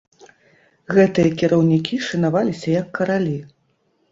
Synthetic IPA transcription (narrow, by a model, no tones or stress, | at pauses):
ɣɛt̪ɨjɐkʲiɾɐwnʲikʲiʂɨnavalʲisʲɐjɐkːɐɾalʲi